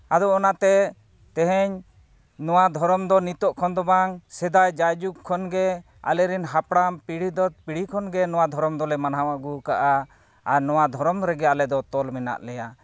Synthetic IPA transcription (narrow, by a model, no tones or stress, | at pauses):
ad̪ɔɔnat̪ɛ | t̪ɛɦɛɲ | nɔwad̪ʱɔɾɔmd̪ɔnit̪ɔʔkʰɔnd̪ɔbaŋsɛd̪ajd͡ʒajd͡ʒukʰːɔnɡɛ | a̰lɛɾinɦapɽampiɽ̤id̪ɔt̪̚piɽikʰɔnɡɛnɔwad̪ʱɔɾɔmd̪ɔlɛmanaɦawaɡukaʔa | aɾnɔwad̪ʱɔɾɔmɾɛɡɛalɛd̪ɔt̪ɔlmɛna̰ʔlɛja